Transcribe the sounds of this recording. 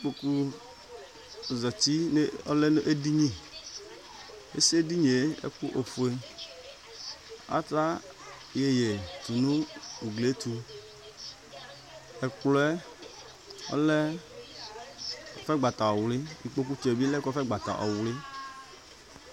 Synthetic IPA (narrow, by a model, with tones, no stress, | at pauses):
i˨k͡po˨ku˦ | zɔ˨t͡ɕi˦n˦ɔ˦lɛ˦nu˦ʔe˦di˦ɲĩ˦˨ | ḛ˦si˦e˦di˦ɲe˨ḛ˦ku˦ʔo˨fu˨e˦ | a̰˦ta˦ | je˨je˨t̪u˨nũ˦u˨ɡle˨˦t̪u˨ | ɛ˨k͡plɔ˦ɛ˦ | ɔ̰˦lɛ˦ | ɔ˨fɛ˦ɡ͡ba˨t̪a˨ɔ˨wlɪ˦i˨k͡po˦k̬u˦t͡ʃɔ˨e˨bi˦lɛ˦kɔ˦fɛ˦ɡ͡ba˨t̪a̰˨ʔɔ̰˨wlɪ˦